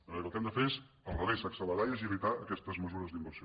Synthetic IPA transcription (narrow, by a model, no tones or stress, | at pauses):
əəlˠt̪ɛmd̪əfes | əlˠrəβejsaksələðajeziəβit̪aəkɛst̪əzməzuɾəzd̪imbəɾsi